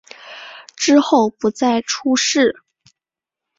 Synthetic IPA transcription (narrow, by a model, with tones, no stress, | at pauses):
ʈ͡ʂɻ̩˥xo˥˩ʊpu˧˥t͡sa˥˩ɪʈ͡ʂʰu˥ʂɻ̩˥˩